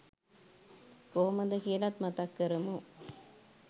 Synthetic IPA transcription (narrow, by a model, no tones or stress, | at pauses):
koːmɐnd̪ɐkeːlat̪mɐt̪ɐkːɐɾɯmu